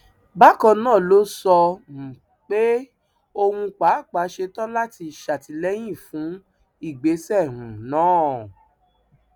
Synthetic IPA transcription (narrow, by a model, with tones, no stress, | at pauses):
ba˦kɔ̃˧nãː˦˨lo˦sɔ˧ñ̩˨ | k͡pe˦ | o˧wũ˧k͡pa˨˦˨k͡pa˨˦ʃe˧tɔ̃˦la˦ti˧˨ʃa˨ti˧lɛ˦j̃ĩ˦˨fũ˨˦ | i˦˨ɡ͡be˨˦sɛ˦˨ɾũ˨nãː˨˦˨